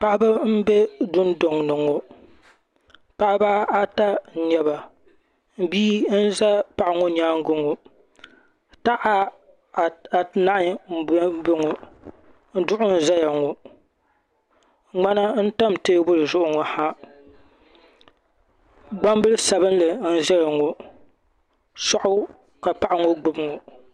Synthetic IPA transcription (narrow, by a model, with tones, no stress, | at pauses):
pa˦ʔba˦m̩˦bɛ˦dʊ˦ndo˨ŋnɨ˨ŋo˨ | pa˦ʔa˦ba˦a˦ta˦˨ɲɛ˨ba˨ | m̩˦biː˦n̩˦za˦pa˨ʔa˨ŋo˦ɲaː˦ŋ˦ɡʊ˦ŋo˨ | ta˦ʔa˦˨ | a˨na˦ʔɲ̩˦be˦ŋo˨ | n̩˦dʊ˦ʔʊ˦n̩˦za˦ja˨ŋo˨ | ŋ͡ma˦na˦n̩˦ta˦mte˦bʊ˦lɨ˨zʊ˦ʔʊ˨ŋo˨ha˦ | ɡ͡ba˦mbɨ˦lsa˨bɨ˦n˦lɨ˨n̩˦za˦ja˨ŋo˨ | sɔ˨ʔʊ˦ | ka˨pa˦ʔa˨ŋo˦ɡ͡bʊ˦bŋo˨